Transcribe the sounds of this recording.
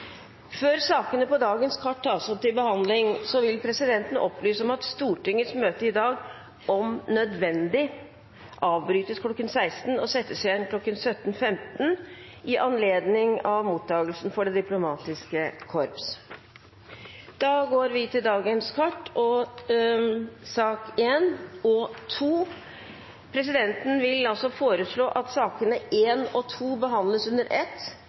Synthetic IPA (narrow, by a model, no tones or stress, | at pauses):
føːɾsɑːkənəpɔd̪ɑːɡənskʰɑʈːʰɑːsɔp̚t̪ɪlbəhɑnd̪lɪŋsɔʋɪlpʰɾɛsɪd̪ɛnt̪nʔɔpːlyːsəɔmɑt̪st̪uːʈɪŋːəsmøːt̪əɪd̪ɑːɡ | ɔmnœd̪ʋɛnd̪ɪ | ʔɑːʋbɾyːt̪əskʰlɔkːənsæɪst̪n̩ɔsɛt̪ːəsjɛnkʰlɔkːənsœt̪ːn̩fɛmt̪n̩ | ʔɪʔɑnleːd̪nɪŋɑʋmuːt̪ʰːɑːɡəlsn̩fɔɖɛd̪ɪplʊmɑːt̪ɪskəkʰɔɾps | d̪̥ɑːɡoːɾʋɪt̪ʰɪld̪ɑːɡənskʰɑʈːɔ | sɑːkeːnɔt̪ʰuː | pʰɾɛs̬ɪd̪ɛnt̪n̩ʋɪlɑlsɔfoːɾəʂɭoːʔɑt̪sɑːkənəeːnɔt̪ʰuːbəɦɑnd̪ləsʉnd̪əɾʔɛt̪ː